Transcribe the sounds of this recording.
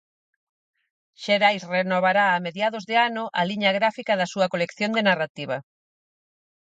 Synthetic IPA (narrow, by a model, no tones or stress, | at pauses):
ʃeɾajsrenoβaɾaːmeðjaðʊzðɪanʊʔɐliɲɐɣɾafikaðɐsuɐkolekθjond̪enarat̪iβ̞ɐ